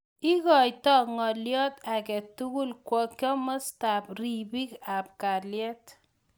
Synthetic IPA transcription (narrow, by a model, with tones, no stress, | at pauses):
i˦kɔ˨jtɔ˦ŋɔ˨ljɔ˦takɛ˨tu˦ku˦lkwɔ˨kjɔ˦mɔ˦sta˨p̚ri˨bi˦kap̚ka˨ljɛ˦t